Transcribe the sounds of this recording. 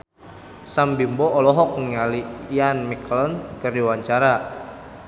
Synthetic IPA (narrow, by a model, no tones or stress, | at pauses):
sambimbɔːlɔɦɔk̚niŋaliːanmiklɔnkərdiwaɲt͡ʃaɾa